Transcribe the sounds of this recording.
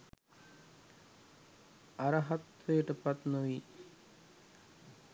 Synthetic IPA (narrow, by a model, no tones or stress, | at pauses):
aɾəɦat̪ʋojəʈəpat̪noʋiː